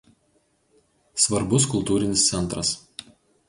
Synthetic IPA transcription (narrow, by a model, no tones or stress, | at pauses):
sʋɐɾbʊskʊlˠt̪uːɾʲɪnʲɪst̪sʲɛnˑt̪ɾɐs